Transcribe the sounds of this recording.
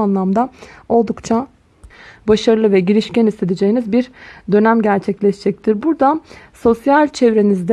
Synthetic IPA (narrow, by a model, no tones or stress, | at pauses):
anlˠamd̪ao̞lˠd̪ukt͡ʃʰa | baʃaɾɯlˠɯvɛɟiɾiʃcænist̪ʰed̪id͡ʒejinizbiɾd̪ø̞næmɟæɾt͡ʃʰɛclʲɛʃd͡ʒɛc̚t̪ʰiɾbuɾd̪aso̞sjalʲt͡ʃʰɛvɾe̞nizd̪ɛ